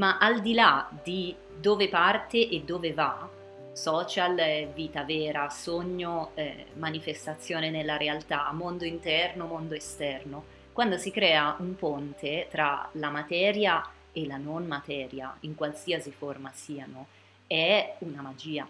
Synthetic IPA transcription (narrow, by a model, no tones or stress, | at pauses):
maʔald̪ilad̪i | d̪oːvepart̪eʔed̪ːoːveva | sɔːt͡ʃalviːt̪avɛːɾasoɲːoɛmanifest̪at̪sːjoːnenelːaɾealt̪aːmːond̪oint̪ɛrnomond̪oest̪ɛrno | kwand̪osikɾɛːaumpont̪ʰet̪ɾalamat̪ɛːɾja | elanonmat̪ɛːɾja̰iŋkwalsiːasiformasiːano | ɛunamad͡ʒiːa